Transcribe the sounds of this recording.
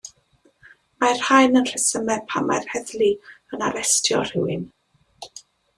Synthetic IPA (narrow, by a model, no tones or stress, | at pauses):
majr̥hajnənɬəsəmɛpʰama̰jrhɛðliənaɾɛstʰjɔ̰r̥ɪwɪn